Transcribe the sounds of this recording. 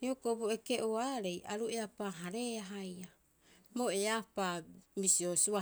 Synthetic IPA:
iokoboeke̞ʔoaɾe̞jaɾue̞apaɦaɾe̞aɦaja | mo̞eapamisiosua

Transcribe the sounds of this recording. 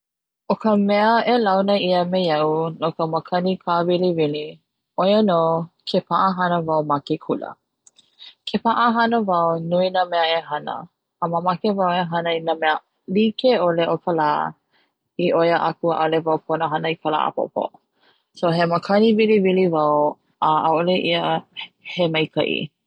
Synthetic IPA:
ʔokəmɛəelawnəiəmejɐunokəməkʰɐnikʰavilivili | ʔojənoːkʰepʰaʔəɦɐnəvɐwmakekʰulə̰ | kʰepaʔəɦɐnəvɐwnuinəmɛəeɦɐnə̰ | əməmakevaweɦɐnəinəmɛə | likeoleʔokʰəlaː | iʔojəʔakuəʔalevɐwpʰonəɦɐnəikʰəla̰ːʔə̰po̰po̰ | soɦeməkʰɐnivilivilivɐw | əʔaoleʔiəhemɐjkʰɐ̰ʔḭ

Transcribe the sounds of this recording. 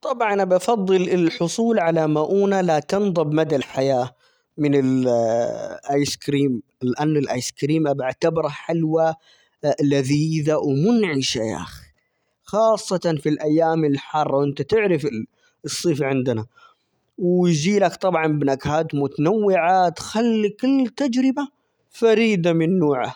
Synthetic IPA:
t̪ˤɑbʕɑnʔabɑfɑðˤːɨlɪlħʊsˤuːlʕalamaʔuːnalat̪ɨnðˤɑbmad̪alħajaː | mɪnɪl | ʔajskɾiːmlʔanːɪlʔaːjskɾiːmʔabaʕt̪abɾˤaħalwa | laðiːðawmʊnʕɪʃaja̰ːxi | xɑːsˤːɑt̪ɑnfilʔajːaːmɪlħɑrˤːɑwʔɪnt̪at̪ɪʕɾɪfɪ | ɨsˤːiːfʕɪnd̪na | wjd͡ʒiːlakt̪ˤɑbʕɑnbnakhaːt̪mʊt̪anawːɪʕat̪xalːikɪlːt̪ad͡ʒɾɪba | faɾiːd̪amɪnːuːʕa

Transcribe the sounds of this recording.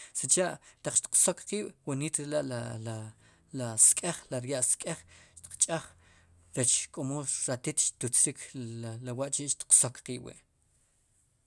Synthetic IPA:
sit͡ʃaʔt̪aq͡χʃt̪i̥q͡χsokqiːɓ̥waniːt̪ɾelaʔlala | laskʼeχlaɾjaʔskʼeχʃt̪i̥qt͡ʃʼaχɾet͡ʃkʼomoɾat̪it̪ʃt̪ut͡sɾikʰlawaʔt͡ʃiʔʃt̪i̥qsokqiːʔwḭʔ

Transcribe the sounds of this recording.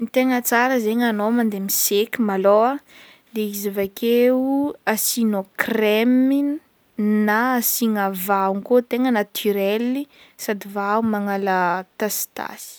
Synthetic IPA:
nit̪eŋət͡saɾəzeɲanomand̪emisekʲimaloa | d̪eizivakʰeuasinokremin | naːsiŋavauŋkot̪eŋənat̪ʰyɾɛli | sad̪ivaumaŋalat̪ast̪a̰si̥

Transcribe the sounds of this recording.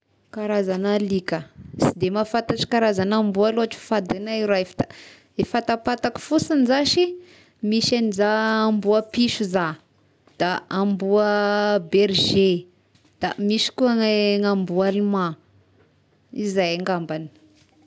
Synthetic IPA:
kaɾazanalikəsid̪emafat̪aʈ͡ʂi̥kaɾazanambualuaʈ͡ʂi̥fad̪enaiɾafi̥d̪̥adefat̪apat̪aki̥fusinizaʃi | miʃanizaːmbuapiʃuza | d̪̥aambuəbeɾʒe | d̪̥amiʃi̥kuaŋŋambualima | izajaŋɡambani̥

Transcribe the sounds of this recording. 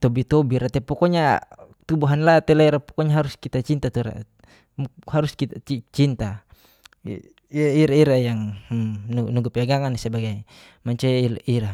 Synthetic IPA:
t̪ɔbit̪ɔbiɾat̪ɛpɔkɔɲa | t̪ubuɦanlat̪ɛlaiɾapɔ̥kɔɲaɦaɾuskit̪at͡ʃint̪at̪uɾa̰ | muhaɾuskiait͡ʃint̪a̰ | iaiɾaiɾajaŋ | nunuɡapɛaɡaŋanisabaɡaj | maɲt͡ʃɛiiɾa

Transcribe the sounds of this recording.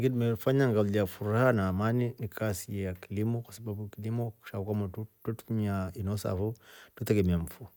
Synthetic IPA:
ɡidmefaɲaŋɡaliafuɾahanaːmaninikʰasiejakilimokasababukilimoku̥ʃakamatututmiainosa̰futut̪eɡemiaɱfu

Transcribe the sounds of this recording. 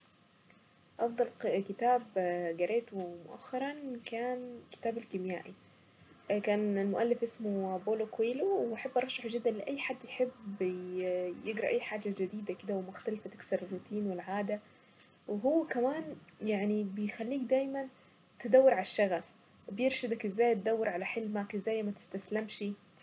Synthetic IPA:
ʔɑfd̪ˤɑlkɪt̪aːbɡɑɾʔeːt̪wmʊ̰ʔa̰xːɑɾˤɑnkaːnkɪ̥t̪aːbalkɪmja̰ːʔi | kaːnɪlmʊʔalːɪfʔɪsmoboːlokweːlowʔaħabːʔɑɾˤɑʃːaħʒɪd̪ːænlɪʔæjːħad̪ːjħɪb | jeɡɾˤɑʔajːħaːd͡ʒad͡ʒɪd̪iːd̪ækɪd̪æwemʊxt̪ælfæt̪ɪ̥ksɑɾˤɪrːut̪ʰiːnwelʕaːd̪æ | wɦowːkæmaːnjaʕnibejxælːiːkd̪æːjmæn | t̪ɪd̪æwːɪɾˤʕalaʃːæɣæf | bjeɾʃɪd̪ækʔɪzːæːjt̪̚d̪æwːeɾˤʕalæħelmaʕkʔezːæːjmæt̪ɪ̥st̪æslæmʃi

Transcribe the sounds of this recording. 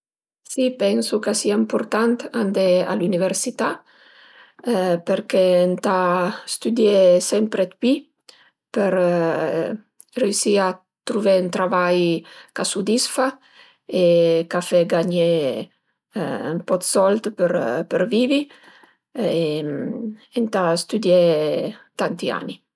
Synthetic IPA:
sipɛnsukasiaimpuɾt̪ant̪and̪ea̰luniveɾsit̪a | peɾkent̪ast̪yd̪jesɛmpɾet̪pi | peɾ | reysia | t̪ːɾuvɛnt̪ɾavajkasud̪isfa | ekafɛɡaɲɛ | mpɔt̪sɔlt̪pəɾpəɾviːvi | e | ent̪ast̪ud̪jɛ | t̪ant̪ia̰ni

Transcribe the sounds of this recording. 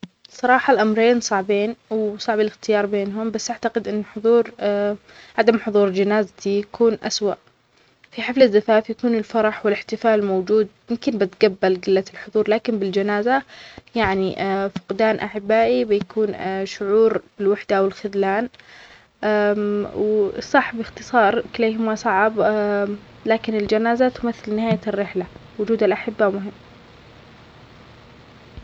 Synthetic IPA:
sˤɑɾˤɑːħɑlʔamɾeːnsˤɑʕbeːnwsˤɑʕbalɪxt̪ɪjɑːɾˤbeːnɦʊmbasːʔaʕt̪aqɪd̪ʔɪnːħʊðˤuːɾ | ʕad̪amħʊðˤuːɾd͡ʒanaːzat̪ijakuːnʔa̰swa̰ʔ | fiħɪflaðːafaːfjakuːnɪlfɑɾˤɑħwɪlɪħt̪ɪfaːlmowd͡ʒuːd̪̚mɪmkɪnbɪt̪ɡabːalɡɪlːat̪ɪlħʊðˤuːɾˤlaːkɪnbɪld͡ʒanaːzajaʕniʔfʊ̥qd̪aːnʔaħɪbːaːʔibɪjakuːnʃʊʕuːɾb̥ɪlwaħd̪aʔwɪlxʊðlaːn | ʔawsˤɑħbɪxt̪ɨsˤɑːɾˤkɪleːɦʊmasˤɑʕb | laːkɪnɪld͡ʒanaːzat̪ʊmaθːɪlnɪhaːjarːɪħlawʊd͡ʒuːd̪alʔaħɪbːamʊɦɪmː

